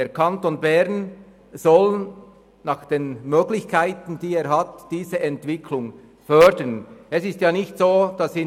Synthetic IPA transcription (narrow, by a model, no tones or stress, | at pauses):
deːkʰɑntonbɛɾn | z̥ɔl | nɑːχd̥eːnmøːɡlɪçkʰaɪtən̩d̥iːeːɾɦɑtd̥iːzəʔɛntv̥ɪkʰlʊŋ | fœdənɛsɪstjaːnɪçtsoːd̥ɑsɪ